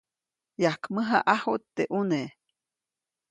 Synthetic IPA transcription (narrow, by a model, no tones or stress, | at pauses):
jakməɦaʔahot̪ːeʔune